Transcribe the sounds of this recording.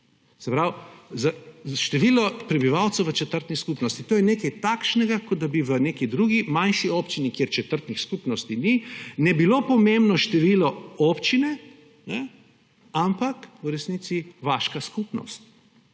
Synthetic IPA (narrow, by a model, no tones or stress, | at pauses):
sɛpɾawzaʃt̪ɛʋilɔpɾɛbiʋawt̪sɛwʋət͡ʃɛt̪əɾt̪niskupnɔst̪it̪oːjɛnekɛjt̪akʃnɛɡakɔd̪̚d̪abiʋəneːkid̪ɾuɡimanʃiɔpt͡ʃinikeɾt͡ʃɛt̪əɾt̪nixskupnɔst̪ininɛbilopɔmembnɔʃt̪ɛʋiːlɔɔːpt͡ʃinɛ | nɛ | ampakuɾɛsnit̪siʋaːʃkaskuːpnɔ̰st̪